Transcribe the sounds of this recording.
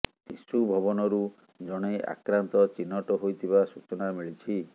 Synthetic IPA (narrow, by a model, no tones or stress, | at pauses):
sisubʱɔbɔnɔɾu | d͡ʒɔɽ̃ea̰kɾant̪ɔt͡ʃinːɔʈɔɦojt̪ʰiβasut͡ʃɔnamiɭit͡ʃʰi